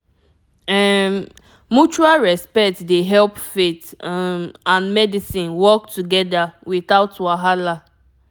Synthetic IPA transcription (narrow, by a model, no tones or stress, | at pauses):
ɛ | mut͡ʃualɹɛspɛtdeɦɛlpfet | ãnmɛdisĩnwɔktuɡɛdawiθaʊtwaɦala